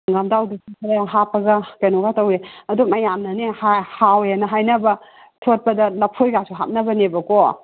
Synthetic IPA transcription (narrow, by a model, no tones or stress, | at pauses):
ŋamdawdisikʰɐɾaɦapːɐɡɐkɐjnoɡatɐweɐdumɐjamnɐnehahawjanɐɦajnɐbɐ | tʰot̚pɐdɐlɐpʰojɡasuɦa̰t̚nɐbɐnebɐko